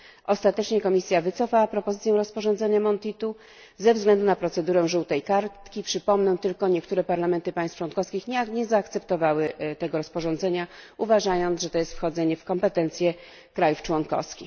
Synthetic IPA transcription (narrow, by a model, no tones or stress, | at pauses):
ʔɔst̪at̪ɛt͡ʂɲɛkɔmʲisʲjavɘt̪sɔfawapɾɔpɔzɘt̪sʲjɛ̃w̃ɾɔspɔʐɔ̃nd̪zɛɲamɔnt̪it̪u | zɛvzɡlɛnd̪unapɾɔt̪sɛd̪uɾɛ̃ʐuwt̪ɛjkaɾt̪kʲipʂɘpɔmnɛ̃w̃t̪ɘlkɔɲɛkt̪uɾɛpaɾlamɛnt̪ɘpaj̃st̪ft͡ʂwɔnkɔfskʲixɲakɲɛzaːkt̪sɛpt̪ɔvawɘt̪ɛɡɔɾɔspɔʐɔnd̪zɛɲauvaʐajɔnt̪ʐɛt̪ɔjɛst̪fxɔd̪zɛɲɛfkɔmpɛt̪ɛnt̪sʲjɛ | kɾajuft͡ʂwɔnkɔ̰fskʲi